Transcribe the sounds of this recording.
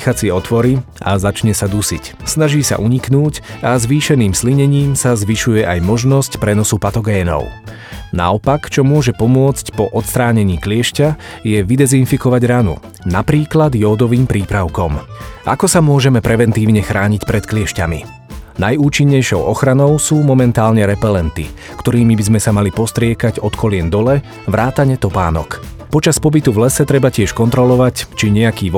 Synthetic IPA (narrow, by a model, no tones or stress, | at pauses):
xat͡sɪɛɔt̪ʋɔɾi | a̰zat͡ʃɲɛsad̪usicsnaʒiːsa̰ʔuɲiknuːcazʋiːʃɛniːmsliɲɛɲiːmsazʋiʃujɛʔajmɔʒnɔscpɾɛnɔsupat̪ɔɡɛːnɔ̰ʊ | na̰ɔpakt͡ʃɔmʊɔʒɛpɔmʊɔt͡scpɔʔɔt̪st̪ɾaːɲɛɲiːklɪɛʃcajɛʋid̪ɛzinfikɔʋaɟɾanṵ | napɾiːklad̪jɔːd̪ɔʋiːmpɾiːpɾaʊkɔmʔa̰kɔsamʊɔʒɛmɛpɾɛʋɛnt̪iːʊɲɛxɾaːɲicpɾɛt̪klɪɛʃcamḭ | najuːt͡ʃiɲːɛjʃɔʊʔɔxɾanɔʊsuːmɔmɛnt̪aːlɲɛɾɛpɛlɛnt̪ḭ | kt̪ɔɾiːmibizmɛsamalipɔst̪ɾɪɛkaɟɔt̪kʰɔlɪɛnd̪ɔlɛ | ʋɾʔaːt̪aɲɛt̪ɔpa̰ːnɔ̰k | pɔt͡ʃaspɔbit̪uvlɛsɛt̪ɾɛbacɪɛʃkɔnt̪ɾɔlɔʋact͡ʃiɲɛakiːʋɔ